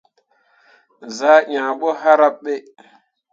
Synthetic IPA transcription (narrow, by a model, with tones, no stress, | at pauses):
zaː˦ʔãː˨ɓo˦ɦa˦ɾa˦ɓɓe˦